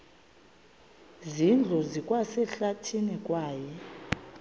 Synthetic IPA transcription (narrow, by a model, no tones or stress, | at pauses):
zind͡ɮʱɔzikʼwasɛɬatʰinikʼwaːjɛ